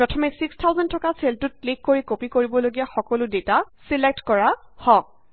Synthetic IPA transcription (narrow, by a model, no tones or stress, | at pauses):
pɹɔtʰɔmesikstʰawzɔntʰɔkaseltʊt̚klikːoɹikopikoɹibɔloɡijaxɔkɔlʊdeta | silek̚tkɔɹa | hɔ̃k̚